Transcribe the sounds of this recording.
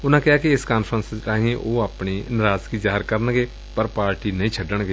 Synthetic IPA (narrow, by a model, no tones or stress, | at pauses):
ʊnãːkɪɦaːkɪɪskaːnpʰɾənst͡ʃaːɦĩẽʔoːaːpɳiːnɪɾaːzkiːzaːɦɪɾkəɾənɡeː | pəɾpaːɾʈiːnəĩːt͡ʃʰəɖəɳ̃ɡeː